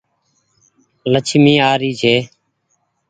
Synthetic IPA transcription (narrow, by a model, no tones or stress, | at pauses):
lət͡ʃʰmĩːaːɾiːd͡ʒʰeː